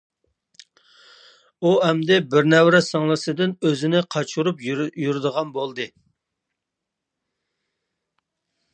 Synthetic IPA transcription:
uɛmd̪ɛbɪɾnɛwɾɛsɑŋlˠɨsɨd̪ɪnøzɪnɪqʰɑt͡ʃʰuɾupjuɾd̪əʁɑnbolˠd̪ɨ

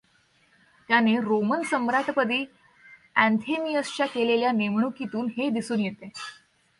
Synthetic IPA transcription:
t̪janeɾomənsəmɾat̪pəd̪iː | æ̃nt̪ʰemijəst͡ɕakeleljanemɳukit̪uːnɦed̪isuːnjet̪e

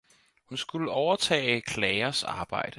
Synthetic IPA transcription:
hunsɡ̥uləɒʊɐt͡sʰɛ̰ːɪkʰlɛːɪɐsɑ̈ːb̥ɑ̈ɪ̰d̥ə

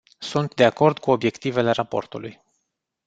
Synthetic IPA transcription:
sunt̪d̪e̞ako̞rd̪kuo̞bje̞kt̪ive̞le̞ɾapo̞̰rt̪uluj

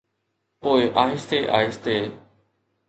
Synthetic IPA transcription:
poːɪʔaːɦɪst̪eːʔa̰ːɦɪst̪eː

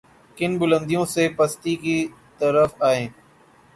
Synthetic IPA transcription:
kɪnbʊlə̃nd̪ijõːseːpəst̪iːkit̪əɾəfaːɦẽː

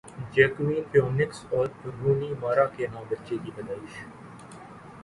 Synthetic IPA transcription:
d͡ʒɛːkʋĩːpjõːnɪksɔːɾɾuːniːmaːɾaːkenãːbətːʃeːkiːbɐd̪aːɪʃ

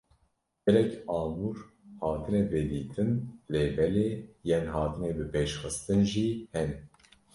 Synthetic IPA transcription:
ɡɛlɛkɑːmuɾ | hɑːt̪ʰɨnɛbɛd̪iːt̪ʰɨnleːbɛleːjɛnɦɑːt̪ɨneːbɨpʰeːʃxɨst̪ɨnʒihɛn

